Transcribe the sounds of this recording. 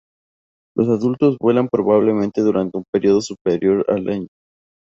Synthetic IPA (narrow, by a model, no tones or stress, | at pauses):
lʔo̞s̬aðult̪o̞zβwe̞lampɾo̞βaβ̞le̞mẽ̞nt̪e̞ðuɾant̪eumpe̞ɾio̞ð̞o̞supeɾjo̞ɾa̰laɲo